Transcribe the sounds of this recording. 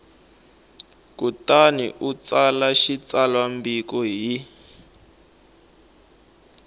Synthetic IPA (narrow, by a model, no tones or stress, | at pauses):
kutanḭʔut͡salaʃit͡salwambikɔɦi